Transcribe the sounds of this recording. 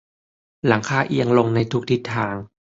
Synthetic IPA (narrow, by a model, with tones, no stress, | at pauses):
la˩˦ŋkʰaː˧˩ʔi˧əŋlo˧ŋna˧jt̪ʰu˦˥k̚t̪ʰi˦˥t̪ʰːaː˧ŋ